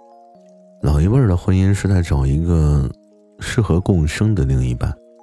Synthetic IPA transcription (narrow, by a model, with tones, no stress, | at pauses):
lɑ˨˩ʊi˧˥wə˥˧˩d̪ə˩xwə˥ni˥nʂɻ̩˥˧t͡sa˥˩ɪʈ͡ʂɑ˨˩ʊi˧˥ɡə˧ | ʂɻ̩˥˩xɤ˧˥kʊ˥˩ŋɕɤ˥ŋd̪ə˨li˥˧ŋi˧˥˩pa˥˩˦